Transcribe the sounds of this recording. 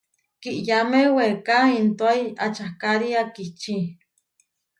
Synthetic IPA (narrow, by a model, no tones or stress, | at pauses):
kiʔjamewekaint̪oaia̰t͡ʃahkaɾiakit͡ʃĩ